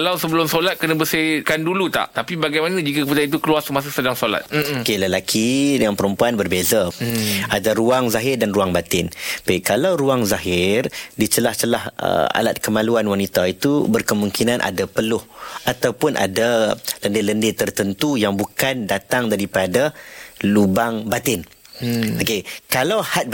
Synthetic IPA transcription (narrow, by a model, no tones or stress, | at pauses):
alawsəbəlʊmsolat̪̚kənabəsikandulut̪a̰ʔt̪apibaɡajmanad͡ʒikakəpədait̪ukəluarsəmas̬əsədaŋsola̰t̪̚okeləlakʰidəŋanpəɾəmpuanbərbezaadaɾuaŋzaɦɪrdanɾuaŋbat̪ɪnpaikalawɾuaŋzaɦɪrdit͡ʃəlaht͡ʃəlahə̰a̰lat̪̚kəmãluanwanit̪ait̪ubərkəmuŋkinanʔa̰dapəlʊhat̪awpʊnʔa̰daləndɪləndɪt̪ərt̪ənt̪ujaŋbukandat̪aŋdaɾipadalubaŋbat̪ɪn | okekalawhat̪̚